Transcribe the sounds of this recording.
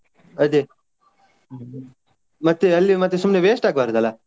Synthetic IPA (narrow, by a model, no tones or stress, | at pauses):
ɐd̪e | mɐt̪ːeɐlːimɐt̪ːesumneʋeːʂʈaːɡbaːɾɐd̪ɐlːa